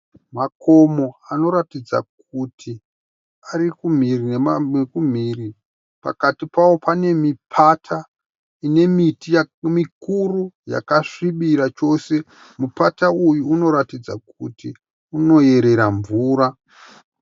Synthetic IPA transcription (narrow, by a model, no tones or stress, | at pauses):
mako̞mo̞ano̞ɾatid͡za̰k̚utʰi | aɾikum̤irineekum̤iːri | pa̰katipawo̞pane̞mipʰatʰa | ine̞mitijamikuruja̰kaʂiɓiɾat͡ʃo̞ːse̞ | mupataujuːno̞ɾatid͡za̰k̚uti | uno̞je̞ɾe̞ɾaɱvuːɾa